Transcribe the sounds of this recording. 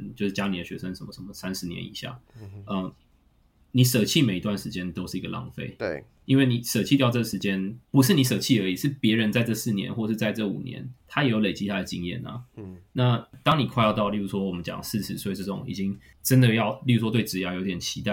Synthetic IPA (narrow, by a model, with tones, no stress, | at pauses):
nt͡ɕjo˥˧ʊʂ̩˥t͡ɕja˥ni˨˩d̪ə˩ɕɥɛ̰˧˥ʂə˦ŋʂə˧˥nmə˧ʂə˧˥nmə˩sa˥nʂɻ̩˧˥njɛ̰˧˦nḭ˨˩ɕja̰˥˩ə˩ | ni˨˩˦ʂə˨˩t͡ɕʰi˥˨˩me˨˩ɪi˧t̪wa˥˩nʂɻ̩˧˦t͡ɕjɛ˥nt̪o˥ʊʂɻ̩˥˩i˧˥ɡə˧lʔɑ̰˥˧ŋfḛ˥˩ɪ | i˥nwe˥˩ɪni˨˩ʂə˨˩t͡ɕʰi˥˧t̪jɑ˥˧ʊʈ͡ʂɤ˥˩ɡə˩ʂɻ̩˧˥t͡ɕjɛ˥npu˧˥ʂ̬ɻ̩˥˩ni˧˥ʂ̬ɤ˨˩t͡ɕʰi˥˩ə˧˥i˨˩ʂɻ̩˥˩pjɛ˧˥ɻə˧˦nt͡sa˥˧ɪʈ͡ʂɤ˥˧s̩˥˩njɛ̰˧˦nxwɔ˥˧˩ʂɻ̩˥˧t͡sa˥˧ɪʈ͡ʂɤ˥˩ṵ˨˩njɛ̰˧˦nt̪ʰa˥jɛ˨˥jo˧ʊle˨˩ɪt͡ɕi˥a˥˩d̪ə˩t͡ɕi˧˥ŋjɛ̰˥˩nɐ̰˩na˥˩t̪ɑ˥ŋni˨˩kʰwa˥˧ɪɑ˥˧t̪ɑ˥˧ʊli˥˩u˧˥ʂwɔ˥wɔ˨˩mə˦nt͡ɕjɑ̰˨˩ŋs̩˥˧ʂɻ̩˥˩swɔ˧˥i˨˩ʈ͡ʂɤ˥˩ʈ͡ʂʊ̰˨˩ŋḭ˨˩t͡ɕi˦˥ŋ | ʈ͡ʂə˦˥nd̪ə˨jɑ˥˧ʊli˥˩u˥˩ʂwɔ˥t̪we˥˩ɪʈ͡ʂɻ̩˧˥ja˧˥˩jo˧˥t̪jɛ˨˩t͡ɕʰi˧˥t̪a˥˩